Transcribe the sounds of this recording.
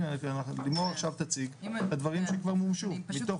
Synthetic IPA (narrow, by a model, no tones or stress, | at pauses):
kanalimoʁaχʃavt̪at͡siɡlad̪vaʁimʃekvaʁmumʃumit̪o̞